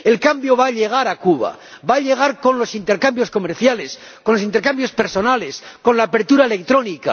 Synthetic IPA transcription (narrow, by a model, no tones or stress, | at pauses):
e̞lkambjo̞βaʎe̞ɣ̞aɾakuβa̰ | baʎe̞ɣaɾko̞nlo̞sint̪e̞ɾkambjo̞sko̞meɾθjale̞s | konlos̬int̪eɾkambjo̞spe̞ɾso̞nale̞sko̞nlaːpe̞ɾt̪uɾaele̞kt̪ɾo̞nika̰